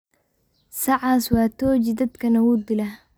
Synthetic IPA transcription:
sɑʕɑːswɑːt̪ʰɔːt͡ʃɪd̪ɐd̪kʰɐnɐwuːd̪ɪlɐ

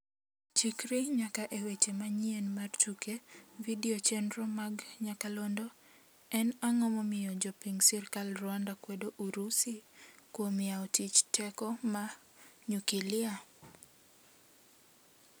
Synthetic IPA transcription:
t͡ʃikɾiɲakaʔewet͡ʃemaɲienmart͡ʃukevidiɔt͡ʃɛndɾɔmaɡɲakalondɔ | ɛnaŋɔmɔmɪjɔd͡ʒɔpiŋsirkalrwandakwedoʔuɾusikwomɪaɔtit͡ʃtɛkɔma | ɲukilɪa

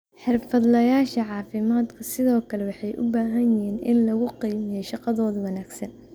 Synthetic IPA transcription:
ħɪrfɐd̪lɐjaːʃɐʕɑːfɪmaːd̪kʰɐsɪðɔːkʰɐlɛwɑħɑjʔʊ̰baːɦɐnjɪɦiːnɪnlɐɣʊqijmɪjɛjʃɑqɑðɔːðɐwɑnaːɡsɐn

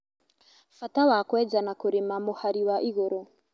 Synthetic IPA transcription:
fatawakwɛd͡zanakuɾimamohaɾiwaʔiɣoɾɔ

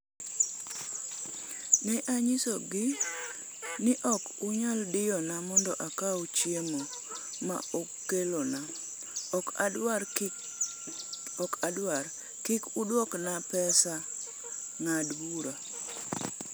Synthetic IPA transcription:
nɛʔaɲɪsoɡɪ | nɪʔɔk | uɲaldɪjɔnamɔndɔʔakaut͡ʃjemo | ma̰okːelona | ɔkaa | ɔkadwaɾ | kɪkudwɔknapɛsa | ŋadbuɾa

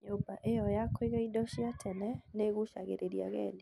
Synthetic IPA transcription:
ɲobaʔejɔjakoiɣɛidɔʃiatʰɛnɛneɣuʃaɣḛɾeɾia̰ɣɛne

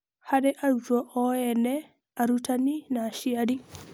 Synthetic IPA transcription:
haɗɛʔaɾɡɔʔɔjɛnɛ | ʔaɾutaninaʃiadi

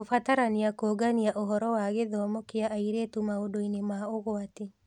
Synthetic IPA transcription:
ofataɾaniakoːɡaniaʔoɦɔɾɔwaɣeðɔːmɔkeaʔaiɾeːtumaodoinemaoɣoate

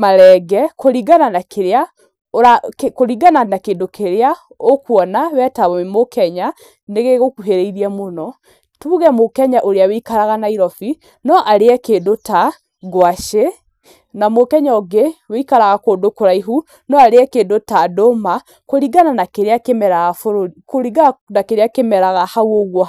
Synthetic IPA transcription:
maɾɛɡɛkoɾiɡananakeɾea | oɾakekoɾiɡananakeːndokʰeɾea | okuɔnawɛtaβɔmemokʰɛɲa | neɣeɣokuɦeɾeiɾiɛmonɔ | tuːɣɛmokɛɲaʔoɾeaweikaɾaɣanaiɾɔfi | nɔʔaɾeɛkeːndota | ɡwaʃe | namokɛɲaoɡeweikaɾaɣakoːdokoɾaiɦu | nɔaɾeɛkeːndotadoma | koɾiɡananakeɾeakemɛɾaɣafoɾokoɾiɡanakeɾeakemɛɾaɣahawoɣwɔ

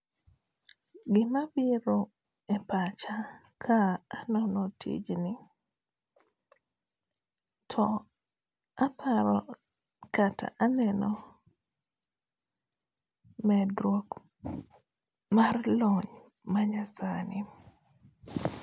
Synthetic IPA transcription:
ɡɪmabiɾo | ɛpat͡ʃa | kʰaːnɔnɔtʰḭd͡ʒnɪ | tʰɔ | apʰaɾɔ | katʰa̰ʔanɛnɔ | mɛdɾok | marlɔɲ | maɲasanɪ

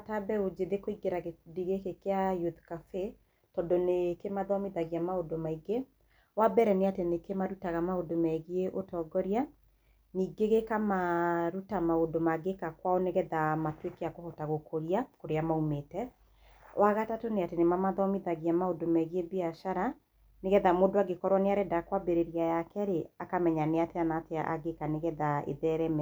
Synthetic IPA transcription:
atabɛod͡ʒeðekoiɡeɾaɣediɣekekeajutkafe | tɔdɔnekemaðɔmiðaɣiamaodomaiɡe | wabɛɾɛneatenekemaɾutaɣamaodomɛɣieʔotɔɡɔɾja | niːɡeɣekamaɾutamaodomaɡekakwaoneɣɛðamatwekeakohɔtaɣokʰoɾiakoɾeamaumetɛ | wʔaɣatatoneatenemamaðɔmiðaɣiamaodomɛɣiebiaʃaɾa | neɣɛðamoːndoaɡekɔɾwaneaɾɛdakwabeɾeɾjajakɛɾeakamɛɲaneateanateaʔa̰ɡekaneɣɛðaḛðɛɾɛmɛ

